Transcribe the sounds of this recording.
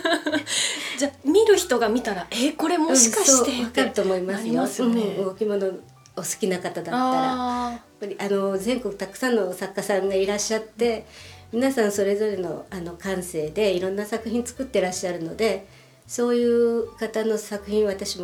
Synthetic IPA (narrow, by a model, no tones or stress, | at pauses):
d͡ʑamʲiɾɯ̟çi̥t̪o̞ɡamʲit̪aɾaeko̞ɾe̞moɯ̃ɕiaɕoːt̪eakaɾɯt̪ːo̞ːmo̞imasɨj̃ɯɡo̞kʲimo̞no̞ | osɨ̥kʲinakat̪ad̪at̪ːaɾajapːaɾʲiʔano̞zẽ̞ŋko̞kɯ̟̥t̪akɯ̟̥sãnːo̞sakːasãŋɡaiɾaɕːat̪ːe̞mʲinasãɰ̃so̞ɾe̞zo̞ɾe̞no̞̰ano̞kãɰ̃se̞ːd̪e̞iɾõ̞nːasakɯ̟çĩnt͡sɨ̥kɯ̟t̪ːe̞ɾaɕːaɾɯ̟no̞d̪e̞ | so̞ːjɯ̟ːkat̪ano̞sakɯ̟çĩɰ̃βat̪aɕimo